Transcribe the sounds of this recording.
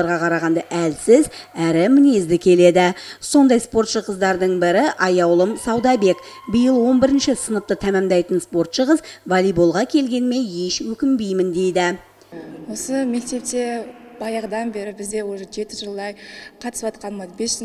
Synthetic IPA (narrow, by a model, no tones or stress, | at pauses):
ɑɾʁɑqʰɑɾɑʁɑnd̪ɑʔælsɪz | æɾɪmɪne̞zd̪ɪkʲʰe̞le̞d̪ɪso̞nd̪ɑjspo̞rt̪ʃəqəzd̪ɑɾd̪əɴbɪɾɪʔɑjɑwlˠəmsɑwd̪ɑbe̞k | bijəlˠwo̞nbɪɾɪnʃɪsənəp̚t̪ət̪ʰæmæmd̪ɑjt̪ənspo̞rt̪ʃəʁəzvɑlijbolˠʁɑkʲʰe̞lɡʲe̞nme̞nje̞ʃwɵkʲɪmbejmɪnd̪e̞jd̪ɪ | wo̞səme̞k̚t̪e̞p̚t̪e̞ | b̥ɑjəʁd̪ɑnbe̞ɾɪbɪzd̪ewoʒe̞t̪ɪʒəlˠd̪ɑjqʰɑt̪ə̥swɑt̪̚qɑnmɑbesʒ